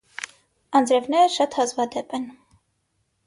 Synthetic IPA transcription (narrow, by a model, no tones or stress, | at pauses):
ɑnd͡zɾɛvnɛɾəʃɑt̪hɑzvɑd̪ɛpɛn